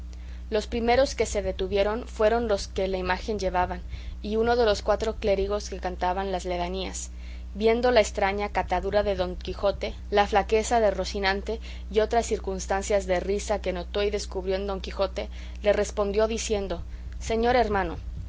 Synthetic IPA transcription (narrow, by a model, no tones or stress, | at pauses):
lo̞spɾime̞ɾo̞ske̞se̞ðe̞t̪uβje̞ɾo̞nfwe̞ɾo̞nlo̞ske̞laimaxe̞nʝe̞βaβaniuno̞ð̞e̞lo̞skwat̪ɾo̞kle̞ɾiɣ̞o̞ske̞kant̪aβanlazle̞ɣania̰s | βje̞nd̪o̞laest̪ɾaɲakat̪aðuɾaðe̞ðo̞ŋkixo̞t̪e̞ | laflake̞saðero̞sinãnt̪e̞ | io̞t̪ɾasːiɾkunst̪ansjazðe̞risake̞no̞t̪o̞iðe̞skuβɾjo̞end̪o̞ŋkixo̞t̪e̞ | le̞re̞spo̞nd̪jo̞ðisje̞nd̪o̞ | se̞ɲo̞ɾe̞ɾmãno̞̰